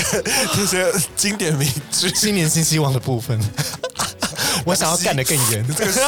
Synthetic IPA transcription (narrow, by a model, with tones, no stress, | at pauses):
nə˥˩ɕɛ˥t͡ɕi˥ŋt̪jɛ˨˩nme˨˧˦ɪʈ͡ʂɻ̩˥ɕi˥nmjɛ˧˥nɕi˥nɕi˥wɑ˥˩ŋd̪ə˩pu˥˧˩fə˨˩n | wɔ˧˦ɕjɑ˨˩ŋjɑ˥˧ka˥˩ndə˩kə˥˩nɥɛ˨˦nə˥˩